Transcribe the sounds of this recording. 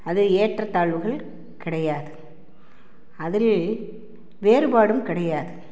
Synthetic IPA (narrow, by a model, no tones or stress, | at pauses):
ɐðɯeːʈrɐt̪ːaːɭʋɯɣɐɭ | kɪɽɐjaːðɯ | ɐðɪl | ʋeːɾɯbaːɽɯmkɪɽɐjaːðɯ